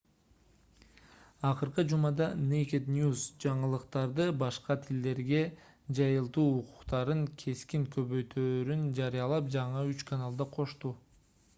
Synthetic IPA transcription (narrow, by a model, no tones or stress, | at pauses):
ɑqɯɾqɯd͡ʒumɑd̪ɑnejkʲet̪nʲjusd͡ʒɑɴəlˠɯqt̪ɑɾd̪ɯbɑʃqɑt̪ʰild̪e̞ɾɡe̞ | d͡ʒɑjɯlˠt̪uːqʰu̥qt̪ɑɾɯŋkʰe̞skiŋkʰø̞βø̞jt̪ʰøːɾynd͡ʒɑɾijɑlˠɑp̚d͡ʒɑɴɯyt͡ʃkʰanalˠd̪ɑqʰo̞ʃt̪uː